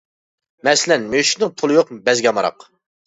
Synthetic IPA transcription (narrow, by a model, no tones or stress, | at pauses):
mɛsɪlɛnmøʃnɨŋpʰʊlˠɨjoqbɛzɡʲɑmɑɾɑ̰q